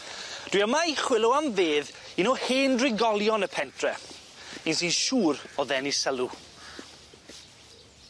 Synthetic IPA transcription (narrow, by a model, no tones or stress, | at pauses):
d̥wiːamaiχwɪlˠʊamveːðinoheːndrɪɡɔlˠjɔnəpʰɛntʰrɛ | insinʃuːɾɔðɛnisəlˠu